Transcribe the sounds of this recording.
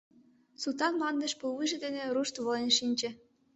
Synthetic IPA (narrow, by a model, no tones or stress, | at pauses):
sut̪ɑnmɑnd̪ə̆ʃpulβɯʒĕd̪enĕɾuʃt̪βɤ̆lenʃinʲt͡ɕĕ